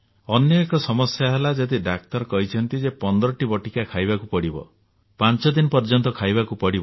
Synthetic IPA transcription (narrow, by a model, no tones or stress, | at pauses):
ɔnjɔekɔsɔmɔsjaɦelad͡ʒet̪iɖak̚t̪ɔɾɔkɔɦit͡ʃʰɔnt̪id͡ʒepɔnd̪ɾɔʈibɔʈikakʰajbakupɔɽibɔ̰ | pant͡ʃɔd̪inɔpɔɾd͡ʒɔnt̪ɔkʰajbakupɔɽibɔ